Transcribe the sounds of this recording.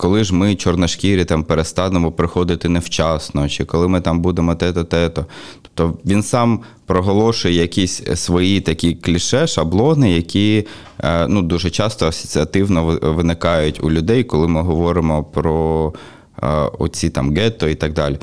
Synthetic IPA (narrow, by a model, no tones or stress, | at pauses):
kɔlˠɪʒmɪt͡ʃɔrnɐʃkʲiɾʲit̪ɑmpeɾest̪ɑnemɔpɾɪxɔd̪ɪt̪ɪnɛwt͡ʃɑsnɔt͡ʃɪkɔlˠɪmɪt̪ɑmbud̪emɔt̪ɛt̪ɔt̪ɛt̪ɔt̪ɔ̥p̚t̪ɔʋʲinsɑm | pɾɔɦɔlˠɔʃʊjɛjɐkʲisʲsʋɔjit̪ɐkʲiklʲiʃɛʃɐblˠɔnɪjɐkʲi | nud̪uʒɛt͡ʃɑst̪ɔɐsɔ̥t͡sʲiɐt̪ɪwnɔʋɪnɪkɑjʊtʲṵlʲʊd̪ɛjkɔlˠɪmɪɦɔʋɔɾɪmɔpɾɔ | ɔ̰t͡sʲit̪ɑmɡɛt̪ɔit̪ɐɡ̚d̪ɑlʲi